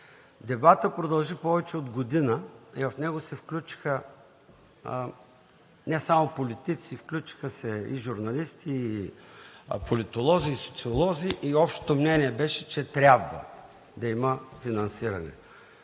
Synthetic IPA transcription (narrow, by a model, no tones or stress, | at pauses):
d̪ɛbat̪əpɾod̪ɐlˠʒipɔvɛt͡ʃɛod̪ɡod̪inəivɐfnɛɡosɛfklʲut͡ʃi̥xə | nɛsamopolit̪it̪sifklʲut͡ʃi̥xəsɛḭʒuɾnɐlist̪ʰiː | polit̪olˠɔziːso̥t̪siolˠɔziʔiɔpʃt̪o̥t̪omnɛniɛbɛʃɛt͡ʃɛt̪ɾʲabvə̰ | d̪ɐiməfinɐnsiɾɐnɛ̰